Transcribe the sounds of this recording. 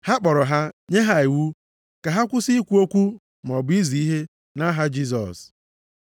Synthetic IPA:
ha˦k͡pɔ˨ɾɔ˨ɦa˦ɲe˦ɦa˦i˨wu˦ | ka˨ɦa˦kʷʊ˦si˦i˦kʷu˦o˦kʷu˦ | m˨ɔ˨bʊ˦i˦zi˨i˦ɦe˦ | na˦ɦa˦d͡ʒi˦s̬ɔ̰˨s

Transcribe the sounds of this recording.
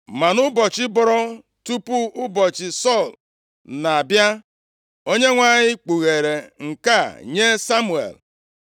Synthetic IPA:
ma˨nʊ˦bɔ˨t͡ʃɪ˦bɔ˨ɾɔ˦ | tu˦pu˦ʊ˦bɔ˨t͡ʃɪ˨sɔ˦˨l | na˨a˨bja˦ | o˦ɲe˦ŋʷa˨ɲɪ˦k͡pu˨ɣe˨ɾe˨ŋ̩˨ka˦˨ɲe˦sa˦mu˨ḛ˨l

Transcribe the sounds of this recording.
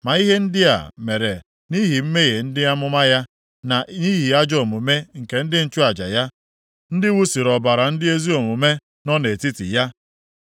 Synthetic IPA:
ma˨i˦ɦe˦n̩˦dɪ˦a̰˨me˨ɾe˨ | ni˦ɦi˨m̩˦me˦ɣe˨n̩˦dɪ˦a˦mʊ˦ma˦ja˦ | na˨ʔni˦ɦi˨a˦d͡ʒɔ˨mʊ˨me˦ŋ̩˨ke˨n̩˦dɪ˦n̩˦t͡ʃu˦a˨d͡ʒa̰˨ja˦ | n̩˦dɪ˦wu˦si˨ɾɔ˨ba˨ɾa˨n̩˦dɪ˦e˦zi˦o˨mʊ˨me˦ | nɔ˦ne˨ti˦tɪ̰˨ja˦

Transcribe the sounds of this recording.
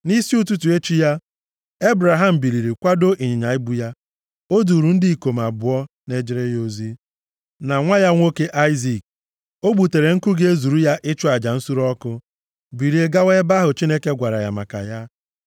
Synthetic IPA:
ni˦si˦u˦tu˦tu˨e˦t͡ʃi˦ja˦ | e˦bɾa˨ɦa˦m̩˨bi˨ɾi˨ɾi˨kʷa˦do˦ʔi˨ɲɪ˨ɲa˨ɪ˦bu˦ja˦ | o˦du˨ɾu˨n̩˦di˦i˨ko˨m˨a˨bʊ˨˦ɔ˦ | ne˦d͡ʒɪ˦ɾe˦jo˦zi˦ | na˨ŋʷa˦ja˦ŋʷo˦ke˦ʔa˦ɪ˦zi˨k̚ | o˦ɡ͡bu˨te˨ɾe˨ŋ̩˦ku˦ɡe˦e˦zu˨ɾu˦ja˦ʔɪ˦t͡ʃʊ˦a˨d͡ʒa˨n̩˦su˦ɾɔ˦kʊ˦ | bi˨ɾi˨e˦ɡa˦we˦ba˦ɦʊ˨t͡ʃi˦ne˦ke˦ɡʷa˨ɾa˨ja̰˨ma̰˨ka̰˨ja˦

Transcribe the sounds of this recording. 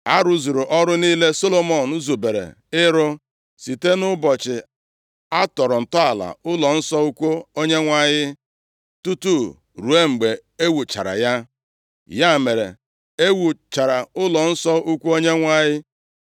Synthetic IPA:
a˦ɾʊ˦zu˨ɾʊ˨ʔɔ˦ɾʊ˦niː˦le˦so˦lo˨mɔ˨n̩u˦zu˨be˨ɾḛ˨ | ɪ˦ɾʊ˦ | si˨te˦nʊ˦bɔ˨t͡ʃɪ˨ | a˦tɔ˨ɾʊ˨n̩˨tɔ˦a˨la̰˨ʊ˦lɔ˨n̩˦sɔ˦u˦kʷu˦o˦ɲe˦ŋʷa˦˨ɲɪ˦ | tu˦tu˦˨ | ɾu˨e˦ŋ͡m̩˨ɡ͡be˨e˦wu˨t͡ʃa̰˨ɾa̰˨ja˦ | ja˦˨me˨ɾḛ˨ | e˦wu˨t͡ʃa˨ɾa˨ʊ˦lɔ˨n̩˦sɔ˦u˦kʷu˦o˦ɲe˦ŋʷa˦ɲɪ˦

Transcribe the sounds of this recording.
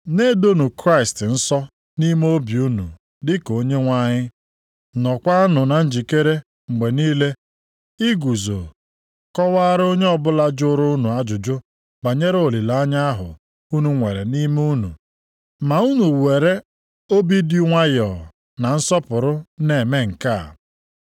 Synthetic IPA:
ne˦do˦nu˨kɾa˦ɪ˨stɪ˨n̩˦sɔ˦ | ni˦m˦o˦bi˨u˦nṵ˨ | dɪ˦ko˨ɲe˦ŋʷa˦˨ɲɪ˦ | nɔ˨kʷa˦nʊ˨na˨n̩˦d͡ʒi˨ke˦ɾe˦ | ŋ͡m̩˨ɡ͡be˨niː˦le˦ | i˦ɡu˨zo̰˨ | kɔ˦wa˦ɾo˦ɲe˦ɔ˨bʊ˦la˦d͡ʒʊ˦ɾʊ˦u˦nu˨a˦d͡ʒʊ˨d͡ʒʊ˦ | ba˨ɲe˦ɾo˨li˨la˨˦ɲa˦a˦ɦʊ̰˨ | u˦nu˨ŋʷe˨ɾe˨ni˦mu˦nṵ˨ | ma˨u˦nu˨we˨ɾe˦ | o˦bi˦di˦ŋʷa˦jɔ˨ | na˨n̩˦sɔ˦pʊ˨ɾʊ˦ne˨me˦ŋ̩˨ka˦˨

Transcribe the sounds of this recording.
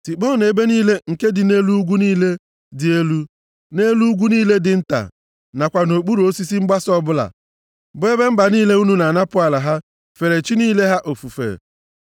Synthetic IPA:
si˨k͡pɔ˦˨ne˨be˦niː˦le˦ŋ̩˨ke˦dɪ˨ne˦lu˦u˦ɡʷu˦niː˦le˦ | dɪ˨e˦lu˦ | ne˦lu˦u˦ɡʷu˦niː˦le˦dɪ˨n̩˦ta̰˨ | na˨kʷa˨no˨k͡pu˦ɾu˨o˦si˦si˦ŋ͡m̩˦ɡ͡ba˦sɔ˦bʊ˦la̰˨ | bʊ˦e˦be˦m̩˦ba˨niː˦le˦u˦nu˨na˨na˦pʊ˦a˨la˨ɦa˦ | fe˨ɾe˨t͡ʃi˦niː˦le˦ɦa˦ʔo˨fu˨fḛ˨

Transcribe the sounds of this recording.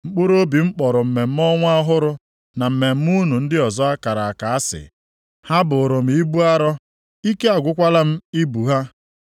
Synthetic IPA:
ŋ͡m̩˨k͡pʊ˦ɾo˦bi˨ŋ͡m̩˦k͡pɔ˨ɾʊ˨m̩˨me˨m̩˦mɔ˦ŋʷ˦a˦ɦʊ˦ɾʊ˦ | na˨m̩˨me˨m̩˦mu˦nu˨n̩˦dɪ˦ɔ˨zɔ˦a˦ka˨ɾa˨a˨ka˨a˦sɪ̰˨ | ha˦bʊ˨ɾʊ˨m̩˦i˦bu˦a˦ɾɔ˦ | i˦ke˦a˨ɡʷʊ˦kʷa˦la˦m̩˦i˦bu˨ɦa˦

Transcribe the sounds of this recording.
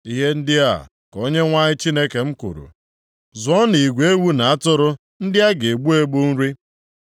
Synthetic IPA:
i˦ɦe˦n̩˦dɪ˦a̰˦˨ | ko˦ɲe˦ŋʷa˦ɲɪ˦t͡ʃi˦ne˦ke˨m̩˦kṵ˨ɾṵ˨ | zʊ˨˦ɔ˦ni˨ɡʷe˦wu˦na˨a˦tʊ˦ɾʊ˦ | n̩˦dɪ˦a˦ɡe˨ɡ͡bu˦e˦ɡ͡bu˦n̩˦ɾi˦

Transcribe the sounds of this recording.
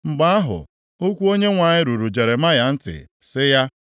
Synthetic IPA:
ŋ͡m̩˨ɡ͡ba˦a˦ɦʊ̰˨ | o˦kʷu˦o˦ɲe˦ŋʷa˨ɲɪ˦ɾu˨ɾu˨d͡ʒe˨ɾe˨ma˦ja˨n̩˦tɪ̰˨ | sɪ˦ja˦

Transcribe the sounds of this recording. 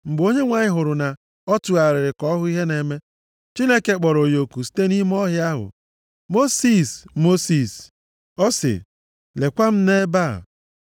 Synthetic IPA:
ŋ͡m̩˨ɡ͡bo˦ɲe˦ŋʷa˨ɲɪ˦ɦʊ˨ɾʊ˨na˨ | ɔ˦tu˨a˨ɾɪ˨ɾɪ˨kɔ˦ɦʊ˦i˦ɦe˦ne˨me˦ | t͡ʃi˦ne˦ke˨k͡pɔ˨ɾo˨jo˨ku˨si̥˦te˦ni˦m˦ɔ˦ɦɪ˦a˦ɦʊ̰˨ | mo˦si˦˨smo˦si˨s | ɔ˦sɪ̰˨ | le˨kʷa˦m̩˦ne˦ba̰˦˨

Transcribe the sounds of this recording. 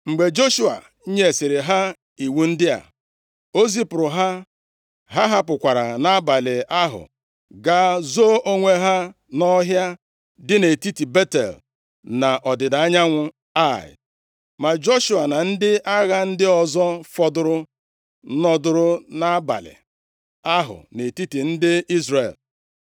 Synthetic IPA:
ŋ͡m̩˨ɡ͡be˨d͡ʒo˦ʃu˦a̰˨ | i˦ɲe˦e˨sɪ˨ɾɪ˨ɦa˦ | i˨wu˦n̩˦dɪ˦a̰˨ | o˦zi˦pʊ˨ɾʊ˨ɦa˦ | ɦa˦ɦa˦pʊ˨kʷa˨ɾa˨na˦ba˨lɪ˨a˦ɦʊ̰˨ | ɡa˦zo˦ʔo˦ŋʷe˦ɦa˦ | nɔ˦ɦja˦ | dɪ˦ne˨ti˦ti˨be˦tḛ˨l | na˨ʔɔ˨dɪ˨da˨a˦ɲa˦ŋʷʊ˦ | a˦˨ɪ̰˨ | ma˨d͡ʒo˦ʃu˨a˨na˨n̩˦dɪ˦ʔa˦ɣa˦n̩˦dɪ˦ɔ˨zɔ˦fɔ˨dʊ˦ɾʊ˦ | nɔ˨dʊ˦ɾʊ˦na˦ba̰˨lɪ̰˨ | a˦ɦʊ̰˨ne˨ti˦ti˨n̩˦dɪ˦i˦zre˨l

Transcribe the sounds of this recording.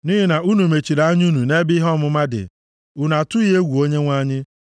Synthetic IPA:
ni˦ɦɪ˦na˨u˦nu˨me˨t͡ʃi˨ɾa˨˦ɲ˦u˦nu˨ne˦bi˦ɦɔ˦mʊ˦ma˦dɪ̰˨ | ʊ˨na˨tʊ˦i˦e˦ɡʷu˨o˦ɲe˦ŋʷa˦ɲɪ˦

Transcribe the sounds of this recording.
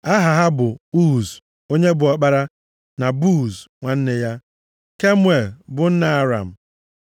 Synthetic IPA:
a˦ɦa˨ɦa˦bʊ˨u˦˨z | o˦ɲe˦bʊ˨ɔ˨k͡pa˦ɾa˦ | na˨buː˦˨zŋʷa˨n̩˦ne˨ja˦ | ke˦mwe˨lbʊ˨n̩˦na˨a˨ɾa̰˨m̩˨

